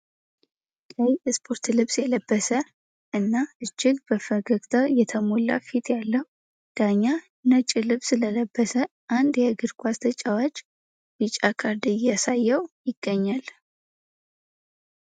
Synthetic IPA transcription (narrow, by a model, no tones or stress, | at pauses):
ləjjɛspʰo̞ɾt̪lɨβsjɛləbːəsə | ʔɨnːaʔɨd͡ʒːɪɡbəfəɡəkt̪ʰajɛt̪ʰəmolːa̰fit̪jalːəhu | d̪̥aɲːa | nət͡ʃʼilɨβsɨlələbːəsə | ʔand̪jɛɡɨɾkʷast̪ʰət͡ʃʼːawat͡ʃ | bɨt͡ʃʼːakʰaɾd̪ijasajːɛwjɪɡ̥ːəɲːal